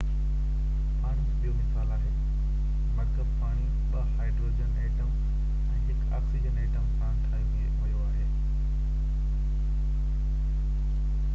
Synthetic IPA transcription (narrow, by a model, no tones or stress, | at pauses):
paːɽ̃isɓijomɪsaːlaːɦeː | mɐkəbpaːɽ̃i | ɓɐɦaːɪɖɾoːd͡ʑəneːʈəm | ɛ̃ːɦɪka̰ːksid͡ʑəneːʈəmkãːñt̪ʰaːjueɦɐjoaːɦeː